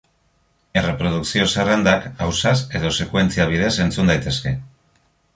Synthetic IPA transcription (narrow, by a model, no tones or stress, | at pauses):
e̞re̞pɾo̞ðuksio̞serend̪akawsase̞ðo̞se̞kwe̞nt͡siaβ̞iðe̞se̞nt͡sund̪ajt̪e̞ske̞